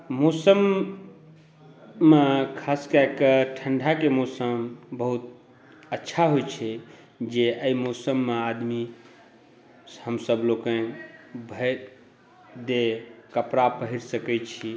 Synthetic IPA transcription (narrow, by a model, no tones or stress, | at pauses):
mosəm | ekʰaskəkəʈʰəɳɖʱakemosəmbəɦut̪̚ | ətːʃʰaɦojt͡ʃʰɛ | d͡ʒeʔəimosəmːead̪mi | həmsəblokə̃bʱə | d̪ekəpɾapəɦiɾsəkɛt͡ʃʰi